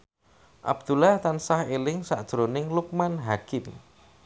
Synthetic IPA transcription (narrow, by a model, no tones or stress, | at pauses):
ʔa̰b̚d̪̥ulaht̪ansahelɪŋsa̰ʔd̥ʒ̥ɾonɪŋluk̚manɦakɪm